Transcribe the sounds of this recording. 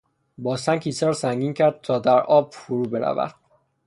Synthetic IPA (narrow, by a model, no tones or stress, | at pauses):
bɒːsæncʰiːsɒːɾsæŋɟiːncʰæɾd̪̥̚t̪ʰɒːd̪æɾʔɒːb̥foɾuːbeɾæ̰væ̰d̪̥̚